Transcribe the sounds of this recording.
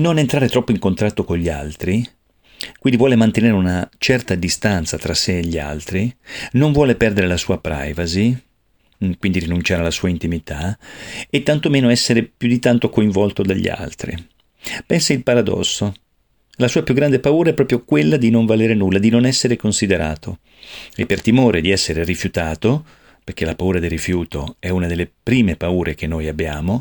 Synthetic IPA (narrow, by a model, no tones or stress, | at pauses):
nonent̪ɾaːɾet̪ɾɔpːoiŋkont̪ɾat̪ːokoɲʎːia̰lt̪ɾi | kwind̪ivwɔːlemant̪eneːɾeunat͡ʃɛrt̪ad̪ist̪ant̪sat̪ɾasːeːʎːia̰lt̪ɾinoɱvwɔːlepɛrd̪eɾelasuːapɾa̰jvazi | kwind̪iɾinunt͡ʃaːɾealasuːaint̪imit̪ʰa | et̪ːant̪omeːnoɛsːeɾepjud̪it̪ant̪okoiɱvɔlt̪od̪aʎːḭa̰lt̪ɾḭ | pɛnsailpaɾad̪ɔ̰sːo | lasuːapjuɡːɾand̪epauːɾaɛpːɾɔːpɾjokwelːad̪inoɱvaleːɾenulːad̪inonɛsːeɾekonsid̪eɾaːt̪o | epːert̪imoːɾed̪iɛsːeɾerifjut̪aːt̪o | perk̟elapauːɾad̪ilrːifjuːt̪o̰ɛunad̪elːepɾiːmepauːɾek̟enːojabːjaːmo